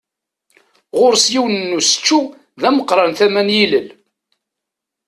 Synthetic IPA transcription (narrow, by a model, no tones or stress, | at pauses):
ʁʊɾsjiwnənːusə̥t͡ʃːu | ðæməqːɾˤɑnθæmænjiləl